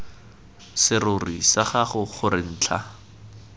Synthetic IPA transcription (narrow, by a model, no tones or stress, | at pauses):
sɪrʊrisaχaχʊχʊrɪn̩ːt͡ɬʰa